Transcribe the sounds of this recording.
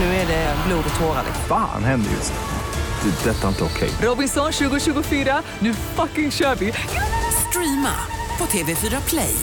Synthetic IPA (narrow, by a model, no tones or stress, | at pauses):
nʉ̟ːæɖɛbluːd̪ɔt̪ʰoːɾa̰d̪ɛ̰fa̰ːnɦɛnd̪ə̰jɵ̰s | d̪̥ɛd̪ɛt̪ːaɪnt̪əɔkʰɛ̰jɾɔbɪnsɔnɕʉ̟ːɡʊɕʉ̟ːɡʊfyːɾa | nʉ̟ːfakɪŋɕœːɾvɪ | st̪ɾiːma̰ | pʰɔt̪ʰeːvefyːɾapʰlɛ̰j